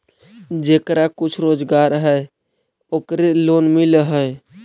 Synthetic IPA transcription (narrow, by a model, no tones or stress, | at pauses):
d͡ʒekɾakʊt͡ʃʰɾod͡ʒɡaɾɦəj | oːkɾelonmilɦəj